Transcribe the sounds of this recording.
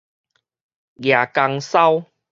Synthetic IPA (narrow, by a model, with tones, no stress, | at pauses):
ɡja˨˩ka˧ŋsa˦w